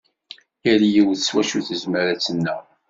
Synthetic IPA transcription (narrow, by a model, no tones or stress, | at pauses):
jæɾjiwðəswæʃuθəzməɾæt͡sːənːə